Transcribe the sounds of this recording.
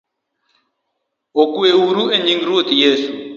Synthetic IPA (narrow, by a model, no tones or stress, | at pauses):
okuwewuɾueɲiŋɡiɾot̪ijeːsu